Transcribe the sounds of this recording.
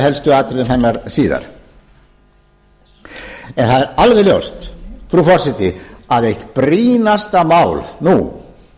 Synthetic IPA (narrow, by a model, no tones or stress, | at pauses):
hɛlst̪ʏaːt̪ɪɾðɪmɦɛnːaɾsiːða̰ɾ̥ | ɛnθaðɛɾalvɛljo̰wst̪fɾufɔr̥sɛt̪ɪaðejht̪pɾiːnast̪amaːwlnu